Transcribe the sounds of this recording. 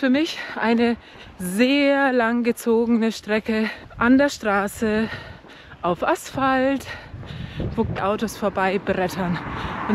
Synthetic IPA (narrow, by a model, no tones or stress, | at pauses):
fyːɐmɪçʔaɪnə | zeːɐlaŋɡət͡soːɡənəʃtʁ̥ɛkə | ʔandeːɐʃtʁ̥aːsə | ʔaʊfʔasfalt | v̥ʊk̚tʔaʊtosfoːɐbaɪbəʁɛtʰɐnʔʊn